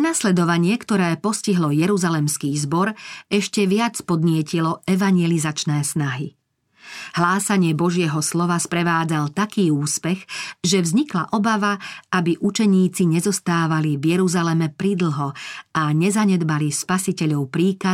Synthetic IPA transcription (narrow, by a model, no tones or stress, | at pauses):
naslɛd̪ɔʋaɲɪɛkt̪ɔɾɛːpɔsciɦlɔjɛɾuzalɛmskiːzbɔɾɛʃcɛʋɪat͡spɔd̪ɲɪɛcilɔɛʋaɲjɛlizat͡ʃnɛːsnaɦi | ɦlaːsaɲɪɛbɔʒɪɛɦɔslɔʋaspɾɛʋaːd͡zalt̪akiːuːspɛxʒɛvzɲikla̰ʔɔbaʋaabiʔut͡ʃɛɲiːt͡siɲɛzɔst̪aːʋalivjɛɾuzalɛmɛpɾid̪l̩ˠɦɔaɲɛzaɲɛd̪balispasicɛʎɔʊpɾiːka